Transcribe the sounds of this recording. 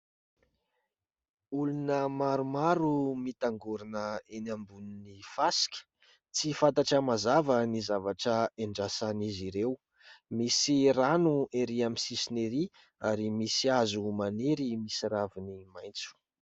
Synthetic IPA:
ulunəmaɾumaɾumit̪aŋɡuɾinəenambuninifasi̥kʲə̥ | t͡sifant̪aʈ͡ʂəmazavənizavaʈ͡ʂəeɳɖ͡ʐasaniziɾew | misiranueɾiamisisineɾi | aɾimisiazumaneɾimisiɾavinimajnt͡su̥

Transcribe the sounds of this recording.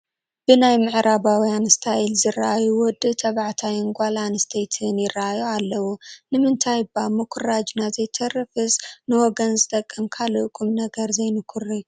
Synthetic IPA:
b̥ɨnajmɨʕɾaβawjanst̪ʰailzɨraʔajuwɔd̪ːɨt̪ʰɐβaʕt̪ʰajɪŋɡʷalanɨst̪ʰejt̪ʰɨnjɪraʔajualːɐwunɨmɨnt̪ʰajbamɐkʷʰurad͡ʒnazɐjt̪ʰɐrɨfɨsnɨwɔɡɐnzɨt̪ʼɐkʼːɨmkʰalɨʔkʼumnɐɡɐɾzɐjnɨkʷʰurɨju

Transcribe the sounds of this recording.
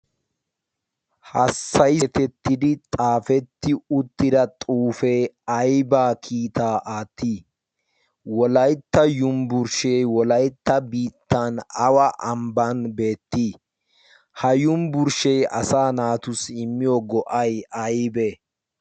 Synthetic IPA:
hɐsːɐjt̪ɛt̪ːɪd̪ɪt̪ʼaːfɛt̪ːɪʊt̪ːɪd̪ɐt̪ʼuːfɛːɐjbaːkʰiːt̪aːʔaːt̪ːiː | wɔlɐjt̪ːɐjʊmbʊɾʃɛjwɔlɐjt̪ːɐbiːt̪ːanɐwɐʔɐmbɐnbe̞ːt̪ːiː | hɐjʊmbʊɾʃɛjɐ̰saːnaːt̪ʊsɪmːɪjɔɡɔʔɐjɐjbɛ

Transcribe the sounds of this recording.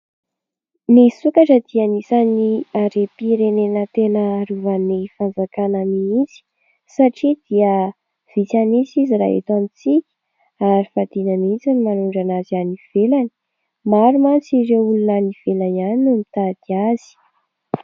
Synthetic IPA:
nisukaʈ͡ʂəd̪̥ianisaniaɾepiɾenenət̪enəɾuvanifanzakananiint͡si̥ | saʈ͡ʂid̪iə | v̥it͡sanisiziɾa̰ḛt̪amit͡sikʲə̥ | aɾifad̪̥inənit͡sanimanuɳɖ͡ʐanazianiv̥elani̥ | maɾumant͡siɾeulunəniv̥elanianinumit̪ad̪̥iaz̥i̥

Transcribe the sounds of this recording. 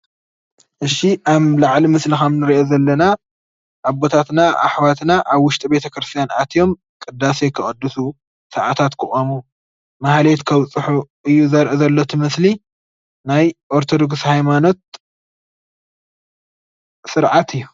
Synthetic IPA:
ʔɨʃːiʔaβlaʕlimɨslixɐmnɨɾiʔozɐlːɐna | ʔabo̞t̪ʰat̪naʔa̰ħwat̪naʔaβwʊʃt̪ʼibe̞t̪ʰɐkɾɨst̪ʰijanʔat̪ʰjo̞m | kʼɨd̪ːasekʰɨχʼɨd̪ːusu | sɐʕat̪ʰat̪kʰɨχʼomu | mahlet̪kʰɐwt͡sʼːɨħuʔɨjːuzɐɾʔezɐlːot̪ʰɨmɨsli | najʔo̞ɾt̪ʰo̞d̪o̞ɡshajmano̞t̪̚ | sɨɾʕat̪ʰɨjːu

